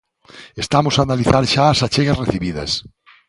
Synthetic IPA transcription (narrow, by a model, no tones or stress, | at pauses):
est̪amosaːnaliθaɾʃaːsat͡ʃeɣareθiβiðɐ̰s